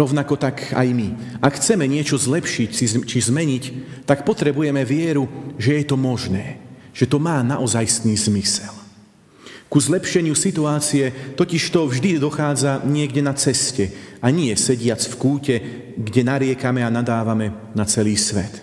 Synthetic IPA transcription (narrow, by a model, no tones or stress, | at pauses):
ɾɔʊnakɔt̪aka̰jmi | akxt͡sɛmɛɲɪɛt͡ʃɔzlɛpʃicsit͡ʃizmɛɲict̪akpɔt̪ɾɛbujɛmɛʋɪɛɾuʒɛjɛt̪ɔmɔʒnɛː | ʒ̥ɛt̪ɔmaːnaʔɔzajst̪niːzmisɛl | kuzlɛpʃɛɲɪusit̪uaːt͡siɛt̪ɔciʃt̪ɔvʒd̪id̪ɔxaːd͡zaɲɪɛɡɟɛnat͡sɛscɛaɲɪɛsɛɟɪat͡sfkuːcɛ | ɡɟɛnaɾɪɛkamɛanad̪aːʋamɛ | nat͡sɛliːsʋɛ̰t̪